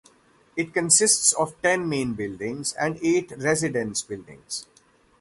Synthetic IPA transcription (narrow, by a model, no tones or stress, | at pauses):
ɪʈ̚kə̃nsɪsʈsɔːʋʈɛ̃nmẽːnbɪlɖɪ̃ŋzɛ̰̃ɳɖeːʈɾɛzɪɖə̃nsbɪlɖɪ̰̃ŋz̥